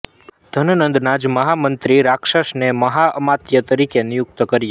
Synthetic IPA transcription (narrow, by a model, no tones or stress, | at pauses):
d̪̥ʱənənənd̪nad͡ʒməɦamənt̪ɾiɾakʃəʃneməɦaʔəmat̪jət̪əɾikenɪjʊk̚t̪kəɾija